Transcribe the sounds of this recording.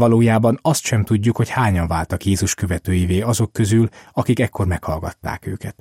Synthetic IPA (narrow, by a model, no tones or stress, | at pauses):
ɒloːjaːbɒnɒst̪ʃɛmt̪uɟːukho̞chaːɲɒɱvaːlt̪ɒkjeːzuʃkø̞vɛt̪øːjiveːɒzo̞kːø̞zylɒkikɛkːo̞rmɛkhɒlɡɒ̰t̪ːa̰ːkø̰ːkɛt̪